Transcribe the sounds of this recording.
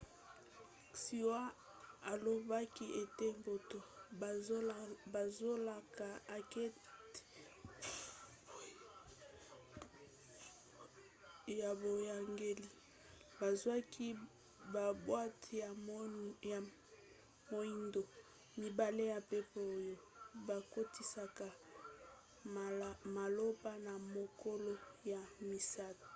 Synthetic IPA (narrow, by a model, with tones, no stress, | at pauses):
si˨wa˦ | a˨lo˨ba˦ki˦ʔe˨te˦mbo˨to˨˦ | ba˨zo˦la˨ka˨a˨ke˦t | ja˨bo˨ja˨ŋɡe˦li˦ | ba˨zwa˦kʰi˦ | ba˨bwa˦tja˨ | mo˦i˦ndo˨ | mi˨ba˨le˦ja˨pe˦po˦˨jo˦ba˨ko˦ti˦sa˨ka˨ | ma˨lo˦pa˦na˨mo˨ko˦lo˦ja˨mi˨sa˦to̥˨